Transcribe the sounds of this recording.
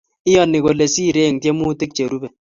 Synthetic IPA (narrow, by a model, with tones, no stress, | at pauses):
ɪ˦jɔ˦˨nːi˨ko˨le˨si˦˨ɾe˦˨ŋtje˦mu˦tɪ˦k̚t͡ʃe˨ɾu˦bɛ˨